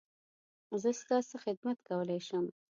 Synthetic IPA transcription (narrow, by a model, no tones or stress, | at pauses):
zəst̪ɑsaxɪd̪mat̪kawəlajʃəm